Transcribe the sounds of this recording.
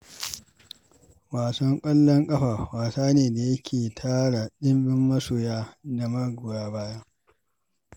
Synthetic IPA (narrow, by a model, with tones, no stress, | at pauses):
waː˨sɐ˦ŋkʷʼɐ˦lːɐ˦ŋkʼɐ˦ɸaː˨waː˨saː˦neː˨da˨jɐ˦kʲʰeː˨tʰaː˦ɽa˨ɗɪ˦mbɪ˦mːɐ˦soː˨jaː˦da˨mɐ˦ɡʷʊ˨ɽaː˦baː˦jɐ˦ŋ